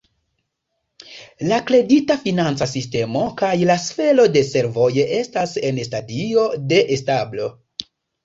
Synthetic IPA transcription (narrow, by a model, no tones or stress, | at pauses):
lakle̞ditafinant͡sasiste̞mo̞kajlasfe̞lo̞de̞se̞ɾvo̞jeʔe̞stase̞nstadio̞de̞ʔestablo̞